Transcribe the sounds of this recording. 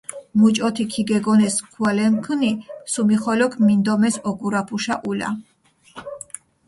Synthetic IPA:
mut͡ʃʼɔt̪ʰikʰiɡɛɡɔnɛskʰwalɛmkʰnisumiχɔlɔkʰmind̪ɔmɛsɔɡuɾapʰuʃaʔula̰

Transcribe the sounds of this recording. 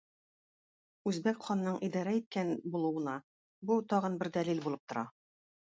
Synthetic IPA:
ʉzbækχɒnːɤɴʔid̪ɑɾæit̪̚kænbulˠɤ̆wɤ̆nɑ | but̪ɒʁɤnbɘɾd̪ælilbulˠɤp̚t̪ŏɾɑ

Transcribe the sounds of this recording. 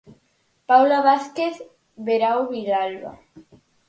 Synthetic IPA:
pawlaβaθkeθ | βeɾawβiðalβa̰

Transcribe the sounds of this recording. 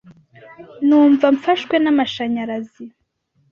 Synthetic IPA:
nuːɱvaɱfaʃkwenamaʃaɲaɾazi

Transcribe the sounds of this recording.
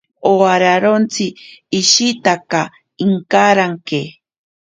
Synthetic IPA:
oaɾaɾont͡siːʃit̪aka | iŋkaɾaŋke

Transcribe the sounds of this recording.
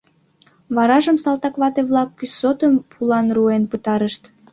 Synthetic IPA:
βɑɾɑʒəmsɑlt̪ɑkβɑt̪eβlɑkːysot̪əmpʰulɑnruenpət̪ɑɾəʃt̪

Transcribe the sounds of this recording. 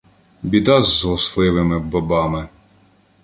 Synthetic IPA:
bʲid̪ɑzːɦɔslˠɪʋɪmɪbɐbɑmɪ

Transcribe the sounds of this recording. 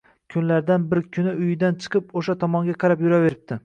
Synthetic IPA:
kʲʰʊnlaɾd̪anbɪɾkʰʊnɪʊjɪd̪ant͡ʃʰɨ̥qʰɨpoʃat̪ʰɒmɒŋɡʲaqʰɑɾapjʊɾave̞ɾɪp̚t̪ʰɪ

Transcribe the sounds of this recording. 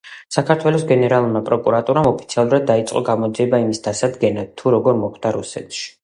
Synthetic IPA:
sakʰaɾt̪ʰwɛlˠɔsɡɛnɛɾalˠuɾmapʼɾɔkʼuɾat̪ʼuɾamɔpʰi̥t̪sʰialˠuɾad̪̚ːait̪sʼqʼɔɡamɔd̪ziɛbaimisd̪asad̪ɡɛnad̪̚t̪ʰːuɾɔɡɔɾmɔχd̪̥aɾusɛ̰t̪ʰʃi̥

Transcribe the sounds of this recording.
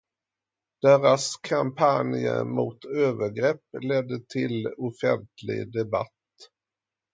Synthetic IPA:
d̪̥eːɾaskʰampʰanjə̰mʊt̪øːvəɾɡɾɛpːlɛd̪ːət̪ʰɪlʊfɛnt̪lɪ̰ɡd̪ɛba̰t̪ː

